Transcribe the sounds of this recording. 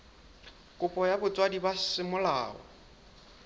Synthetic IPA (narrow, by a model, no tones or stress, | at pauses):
kʼʊpʼɔjabʊt͡sʼwadibasɪmʊlaːɔ̰